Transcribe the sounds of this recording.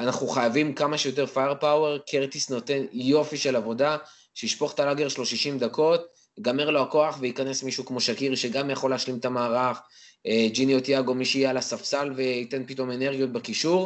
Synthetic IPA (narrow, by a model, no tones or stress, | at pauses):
anaχuχajavimkamaʃejo̞t̬e̞ʁfajeʁpawe̞ʁkʰeʁt̪isno̞te̞njo̞fiʃe̞lavo̞da | ʃeiʃpo̞χt̪alaɡe̞ʁʃlo̞ʃiʃimd̪ako̞t | ɡameʁlohako̞aχveikane̞smiʃukmo̞ʃakiʁʃe̞ɡamjaχo̞leːʃlimet̪amaːʁaχ | d͡ʒinijot̪jaɡo̞miʃijealasafsalve̞ite̞npito̞me̞neʁɡjot̚bekiʃuʁ